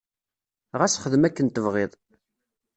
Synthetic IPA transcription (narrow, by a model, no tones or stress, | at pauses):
ʁæsχəðəmækːənt̪əvʁɪðˤ